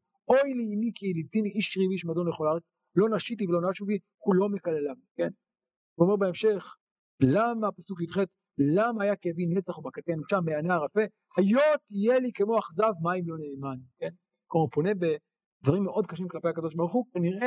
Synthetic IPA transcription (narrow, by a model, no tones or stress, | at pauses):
ʔo̞jlimikilidt̪iniiʃʁiviʃmad̪o̞nleχo̞laʁet͡s | lo̞naʃit̪̬ivelonaʃuvi | kulo̞mekalelavike̞n | veome̞ʁbaemʃe̞χ | lamapasukjit̪χet̪ | lamaːjakevinet͡saχubakat̪enut͡ʃameanaʁafe̞ | hajo̞t̪ijelikemo̞aχzavmaimlo̞neːmanke̞n | koupo̞ne̞be | d̥̪vaʁimːeʔo̞d̪̚kaʃimklapejakad̪o̞ʃ̬baʁuχuveniʁʔe